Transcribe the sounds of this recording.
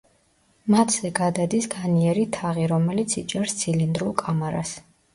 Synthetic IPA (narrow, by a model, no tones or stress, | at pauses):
mat̪ʰz̥ɛɡad̪ad̪isɡaniɛɾit̪ʰaʁiɾɔmɛlit̪sʰit͡ʃʼɛɾst̪sʰilind̪ɾulˠkʼamɛɾa̰s